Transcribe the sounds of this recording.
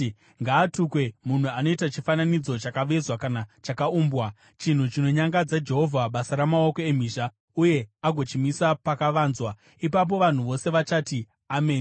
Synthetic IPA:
ŋɡaːtukwe̞mun̤uano̞itat͡ʃifananid͡zo̞t͡ʃakaʋezwakanat͡ʃakauːmbwa | t͡ʃin̤ut͡ʃino̞ɲaŋɡad͡zad͡ʒe̞ɦo̞vʱaɓasaɾamao̞ko̞em̤iːʃa | uje̞aɡʱo̞t͡ʃimisapakaʋaːnzwa | ipap̬o̞ʋan̤uʋo̞se̞ʋat͡ʃati | ameː

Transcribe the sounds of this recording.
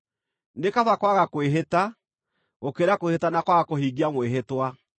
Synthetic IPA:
nekaðwakwaɣakoweɦeta | ɣokeɾakwehetanakwaɣakohiɣiamweɦetwa

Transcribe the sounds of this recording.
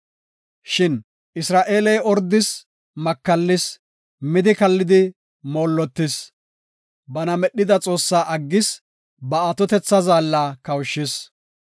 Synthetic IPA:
ʃɪn | ʔɪsɾaːʔe̞ːlɛjʔɔɾd̪ɪs | mɐkːɐlːɪs | mɪd̪ɪkɐlːɪd̪ɪ | moːlːɔt̪ːɪs | bɐnɐmɛɗɪd̪ɐt͡sʼo̞ːsːaːʔɐɡːɪs | bɐɐt̪ɔt̪ɛt͡sːɐzaːlːaːkɐwʃːɪs

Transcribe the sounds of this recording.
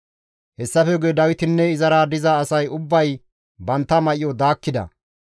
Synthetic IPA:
hɛsːɐfɛɡʊjɛd̪ɐwɪt̪ɪnːɛɪzɐɾaːd̪ɪzɐːsɐjʊbːɐj | bɐnt̪ːɐmɐʔɪjɔd̪aːkːɪd̪ɐ̰

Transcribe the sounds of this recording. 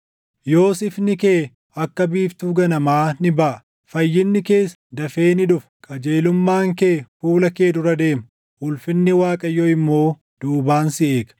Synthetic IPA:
jo̞ːsɪfnɪkeː | ɐkːɐbiːft̪uːɡɐnɐmaːnɪbɐʔɐ | fɐjːɪnːɪke̞ːs | d̪ɐfe̞ːnɪᶑʊf | kʼɐd͡ʒeːlʊmːaːŋkeːfuːlɐke̞ːd̪ʊɾɐd̪e̞ːmɐ | ʔʊlfɪnːɪwaːkʼɐjoːɪmːo̞ː | d̪̥uːbaːnsɪʔeːkɐ

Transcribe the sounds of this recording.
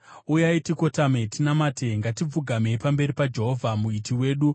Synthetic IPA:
ujaitiko̞tametʰinamaːtʰeŋɡatib͡vuɡʱamepambe̞ɾipad͡ʒe̞ɦo̞vʱamuitʰiwe̞ːɗu

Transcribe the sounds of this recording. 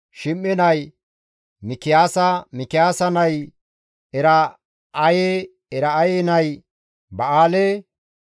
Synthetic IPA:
ʃɪmːɪnɐj | mɪkɪjaːsɐmɪkɪjaːsɐnɐj | ɛɾɐː | je | ɛɾɐːjenɐj | bɐʔaːlɛ

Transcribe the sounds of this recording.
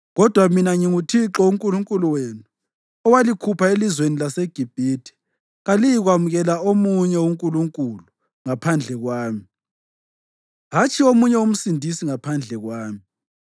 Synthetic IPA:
ɣɔd̥ʱwaminaŋiŋutʰiǁɔuŋkʼuluŋkʼuluweːnu | ɔwalikʰupʰaelizwenilaseɡ̥ʱib̥ʱitʰi̥ | ɣalijiɣwamuɣɛlaomuɲɛwuŋkʼuluŋkʼulu | ŋapʰand͡ɮʱɛɣwaːmi | ɦat͡ʃʰʼiomuɲɛwum̩sindʱisiŋapʰand͡ɮʱɛɣwaːmi

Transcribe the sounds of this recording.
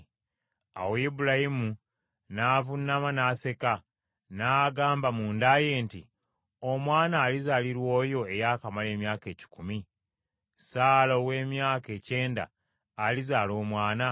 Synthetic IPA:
a̰weibulahimu | navunːamanase̞ka | naːɡaːmbamuːndaje̞ːntḭ | o̞mwaːnaːlizaliɾwo̞ːjo̞ejaːkamale̞ːmjaːke̞ːci̥kumi | saːlo̞ːwe̞ːmjaːke̞ːce̞ːnda̰ː | lizaːlo̞ːmwaːna

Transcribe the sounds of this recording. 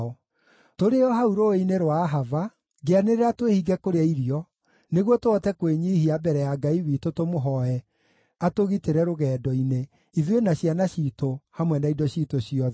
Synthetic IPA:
ɔ | toɾeɔɦauɾoineɾwaːɦava | ɡeaneɾeɾatwehiɡɛkoɾeaiɾiɔ | neɣwɔtoɔtɛkweɲihiabɛɾɛjaɡaiwitotomoɦɔɛ | atoɣiteɾɛɾoɣɛːdɔine | iðwenaɕjanaɕiːtohamwɛnaidɔɕiːtoɕiɔð

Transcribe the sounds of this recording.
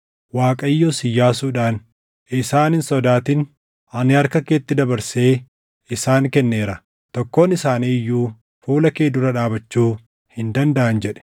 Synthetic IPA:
waːkʼɐjːoːsɪjːaːsuːᶑaːn | ɪsaːnɪnsɔd̪aːt̪ɪn | ɐnɪɐɾkɐkeːt̪ːɪd̪ɐbɐɾse̞ː | ɪsaːŋkɛnːe̞ːɾɐ | t̪ɔkːo̞ːnɪsaːniːjːuː | fuːlɐkeːd̪ʊɾɐᶑaːbɐt͡ʃːuː | hɪnd̪ɐnd̪ɐʔɐnd͡ʒɛᶑɛ̥

